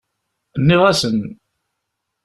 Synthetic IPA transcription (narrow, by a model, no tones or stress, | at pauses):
nːɪʁæsən